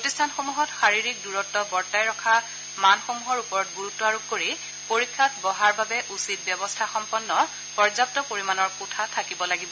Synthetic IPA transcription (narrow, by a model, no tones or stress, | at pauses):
pɹotistʰanxomuɦɔtxaɹiɹik̚duɹɔtːɔbɔɹtajɹɔkʰa | manxomuɦɔɹupɔɹɔt̚ɡuɹutːɔaɹob̚koɹi | poɹikʰːatbɔɦaɹbabɛʔusit̚bjɔbɔstʰaxɔmpɔnːɔ | pɔɹzap̚tɔpoɹimanɔɹkutʰatʰakibɔlaɡibɔ